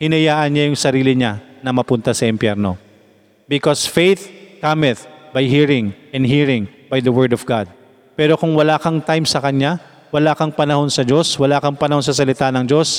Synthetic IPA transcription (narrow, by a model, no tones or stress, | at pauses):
hɪnɐjaːʔɐnɲajʊŋsɐɾiːlɪɲanɐmɐpʊnt̪asɐʔɪmpjɛɾno̞̰ | bɪkosfejθkamɪt̪̚bɐjɦiɹɪŋʔɛnd̪hiɹɪŋbajd̪ɐwɛɹd̪ɔfɡad̪̚ | pɛːɾo̞kʊŋwɐlaːkɐŋt̪ajmsɐkɐɲa | wɐlaːkɐŋpɐnɐho̞nsɐd͡ʒo̞swɐlaːkɐŋpɐnɐho̞ns̬ɐs̬ɐlɪt̪anɐŋd͡ʒo̞s